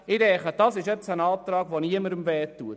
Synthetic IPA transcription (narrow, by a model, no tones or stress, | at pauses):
ɪdɛχəd̥ɑsɪʃjɛt͡sənɑːp̚t̪ɾɑːɡʋoniəməɾəmvɛːtːuət